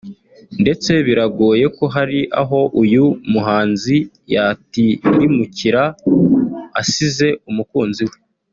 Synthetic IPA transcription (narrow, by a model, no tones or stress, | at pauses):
nde̞t͡se̞βiɾaɡoːje̞koɦaɾiʔa̰ɦo̞ʔujumuɦaːnzi | jatiɾimuciɾa | a̰size̞umukuːnziwe